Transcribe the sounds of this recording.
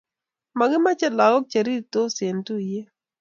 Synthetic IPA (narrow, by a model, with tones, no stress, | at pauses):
ma˨ɡɪ˦ma˦t͡ʃɛ˦la˨ɡɔ˦k̚t͡ʃa˨ɾi˦˨t̪o˦se˨nt̪u˦je˦